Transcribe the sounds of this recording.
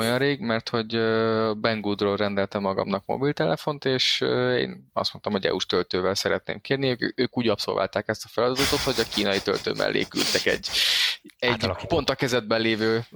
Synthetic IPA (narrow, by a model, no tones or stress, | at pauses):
ojɒnreːɡmɛrt̪ho̞ɟøbɛŋɡud̪rolrɛnd̪ɛlt̪ɛmːɒɡɒ̰mnɒkmo̰bilt̪ɛlɛfo̞nt̪eːʃḛːnɒ̰st̪mo̞nt̪ɒmho̞ɟɛ̰uʃt̪ølt̪øːvɛlsɛɾɛt̪nḛːmkeːrniøøːkuːɟɒpso̞̰lva̰lt̪aːkɛst̪ɒfɛlɒd̪ɒd̪ɒt̪ot̪ho̞ɟɒkiːnɒjit̪ø̰lt̪ø̰ːmʔɛ̰lːʔḛːky̰lt̪ɛkɛ̰ɟː | ɛɟpo̞nt̪ɒkɛzɛd̪̚bɛnleːvøː